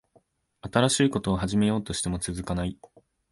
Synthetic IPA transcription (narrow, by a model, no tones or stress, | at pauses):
at̪aɾaɕiːko̞t̪o̞ːɦaʑime̞jo̞ːt̪o̞ɕi̥t̪e̞mo̞t͡sɨzɨkanai